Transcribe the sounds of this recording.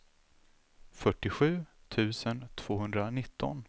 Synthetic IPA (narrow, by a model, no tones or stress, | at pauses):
fœʈːɪɧʉ̟ːt̪ʰʉ̟ːsənt̪ʰv̥oːɦɵnd̪ɾanɪt̪ʰːɔ̰n